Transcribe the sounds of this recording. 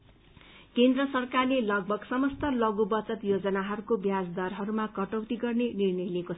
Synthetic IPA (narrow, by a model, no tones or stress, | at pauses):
kend̪rʌsʌrkarlelʌɡ̚bʱʌɡsʌmʌst̪ʌlʌɡubʌt͡sʌt̪jod͡zʌnaɦʌɾukobjad͡zd̪ʌrɦʌɾumakʌʈʌwt̪iɡʌrnenirnʌjlekot͡sʰʌ